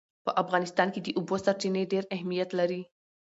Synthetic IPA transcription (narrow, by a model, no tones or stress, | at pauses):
pəʔafɣɑnɪst̪ɑnked̪əʔubosaɾt͡ʃineɖeɾahmijat̪laɾi